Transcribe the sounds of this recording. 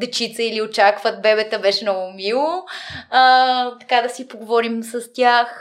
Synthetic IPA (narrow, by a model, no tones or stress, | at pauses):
d̪ɛt͡ʃit̪səiliot͡ʃakvət̪̚bɛbɛt̪əbɛʃɛnɔɡʊmilˠoət̪ɐ̥kad̪ɐsipoɡovɔɾimsəst̪ʲjax